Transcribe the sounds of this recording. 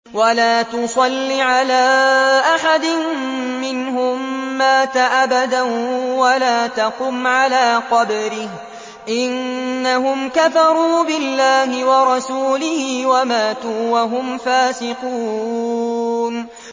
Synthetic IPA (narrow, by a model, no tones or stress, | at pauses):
walaːt̪ʊsˤɑlːiʕalaːʔaħad̪ɪnmɪnhʊmːaːt̪aʔabad̪awalaːt̪aqʊmʕalaːqɑbɾɪh | ʔɪnːaɦʊmkafɑɾˤuːbɪlːaːhɪwɑɾˤɑsuːlɪhɪːwamaːt̪uːwaɦʊmfaːsɪqu | n